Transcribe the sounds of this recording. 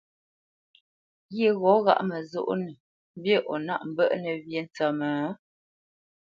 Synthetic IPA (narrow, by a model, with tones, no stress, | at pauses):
ɣe˦˨ɣɔ˨˦ɣa̰˦ʔmə˨zo̰˦ʔnə˨ | m˦bje˦˨ʔɔ˨na̰˦ʔm̩˨bə̰˦ʔnə˨βje˦n˨t͡sə˨məː˨˦